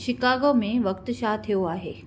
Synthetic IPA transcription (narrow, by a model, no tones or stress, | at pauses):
ʃɪkaːɡomẽʋɐkt̪ʃat̪ʰijoaːɦḛː